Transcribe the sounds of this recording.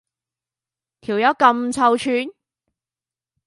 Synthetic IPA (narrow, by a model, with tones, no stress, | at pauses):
t̪ʰiː˨˩wjɐ˨˥kɐ˧mt͡sʰɐ˧wt͡ʃʰyː˧n